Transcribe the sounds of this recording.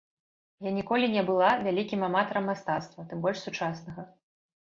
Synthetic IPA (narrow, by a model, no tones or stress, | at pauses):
janʲikɔlʲinʲɛbɨlˠavʲalʲikʲimamat̪ɐɾɐmːast̪at̪st̪vɐt̪ɨmbɔlʲʂsut͡ʂasnɐɣɐ